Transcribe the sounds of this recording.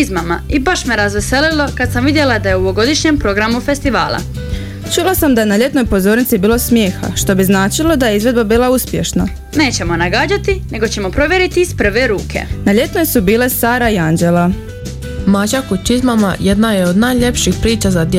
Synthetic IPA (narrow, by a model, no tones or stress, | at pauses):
izmamaibaʃmeɾazʋeselilo̞kad̪samʋid̪jelad̪aje̞uʋoɡo̞d̪iʃɲempɾo̞ɡɾamufe̞st̪iʋa̰ːlˠa̰ | t͡ʃulˠasamd̪aje̞naʎe̞t̪no̞jpo̞zo̞ːɾnit̪sibiːlˠo̞smjeːxa̰ʃt̪o̞biznaːt͡ʃilo̞d̪ajeizʋe̞d̪babiːlˠauspje̞̰ʃna | ne̞ːt͡ɕe̞mo̞naɡaːd͡ʑat̪ine̞ɡo̞t͡ɕe̞mo̞pɾo̞ʋje̞ɾit̪iispr̩ʋeɾuːkʰe̞̰naʎe̞t̪nojsubiːle̞saːɾaiand͡ʒe̞la | mad͡ʑakut͡ʃizmama̰jed̪najeod̪najʎe̞pʃixpɾiːt͡ʃazad̪j